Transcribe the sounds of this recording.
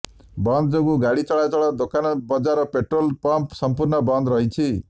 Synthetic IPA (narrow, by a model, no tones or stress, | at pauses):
bʌnd̪d͡zʌɡuɡaɽit͡sʌɭajt͡sʌɭad̪okʰanbʌd͡zaɾʌpeʈrolpʌmpsʌmpurnʌbʌnd̪rʌɦit͡sʰi